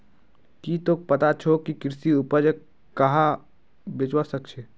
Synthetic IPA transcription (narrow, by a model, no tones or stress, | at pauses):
kiːt̪ok̚pɐt̪at͡ʃʰokikɾsiʊpəd͡ʒe | kɐɦa | bet͡ʃwasəkt͡ʃʰeː